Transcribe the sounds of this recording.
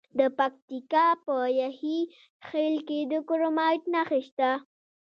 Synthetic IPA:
d̪əpak̚t̪ikɑpəjahi | xelked̪əkoɾomɑjʈnaxeʃt̪a

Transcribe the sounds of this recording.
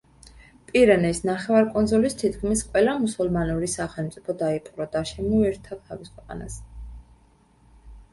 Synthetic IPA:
pʼiɾɛnɛsnaχɛvaɾkʼɔnzɔlist̪ʰit̪kʰmisqʼwɛlamusulˠmanuɾisaχɛlˠmt̪sʼipʰɔd̪aipʼɾɔd̪aʃɛmɔɛɾt̪ʰad̪kʰaviskʰwɛqʼa̰na̰s

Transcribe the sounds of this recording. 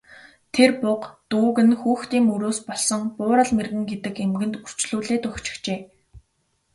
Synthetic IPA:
t̪ʰerpʊqt̪uːɣɘ̆nxuːxt̪iːŋɵɾoːspɔɮsɞ̆ŋpʊːɾə̆ɮmerɣɘ̆ŋɡet̪ɘ̆kemɡɘ̆nt̪ur̥t͡ɕɮuːɮeːt̪ʊxt͡ɕɪ̥̆xt͡ɕeː

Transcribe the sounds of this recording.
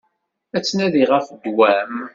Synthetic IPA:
æt͡sːnæðiʁəfd̪wæm

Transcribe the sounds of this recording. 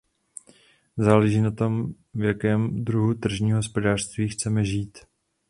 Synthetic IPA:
zaːlɛʒiːnat̪o̞m | vjakɛːmd̪ɾuɦut̪r̩ʒɲiːmɦospo̞daːr̥st̪viːxt͡sɛmɛʒiːt̪

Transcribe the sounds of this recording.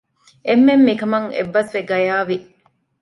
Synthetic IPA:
emːemːikɐmɐŋḛbːɐsʋeɡɐjaːʋi

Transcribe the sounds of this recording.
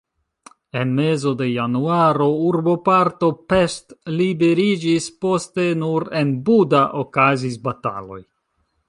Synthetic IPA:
e̞nme̞zo̞de̞januaɾo̞uɾbo̞paɾto̞pestlibe̞ɾid͡ʒispo̞ste̞nuɾe̞nbudaʔokazisbata̰lo̞̰j

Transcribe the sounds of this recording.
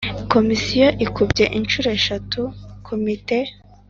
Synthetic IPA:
ko̞misijoʔikubɟe̞ʔinʃuːɾeʃatukʰomite

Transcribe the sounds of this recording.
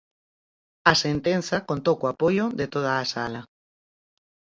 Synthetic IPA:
ɐsent̪en̟θɐkont̪owkoapojoðet̪oð̞aːsalɐ

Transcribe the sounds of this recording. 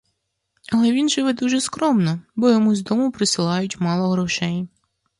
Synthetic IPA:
ɐlˠɛʋʲinʒɪʋɛd̪uʒɛskɾɔmnɔbɔjɔmuzʲd̪ɔmʊpɾɪsɪlˠɑjʊtʲmɑlˠɔɦɾɔʃɛj

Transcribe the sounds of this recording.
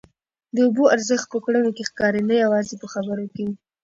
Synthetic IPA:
d̪əuboaɾzəxt̪̚pəkɽənokexkɑɾenajawɑzepəxabəɾoke

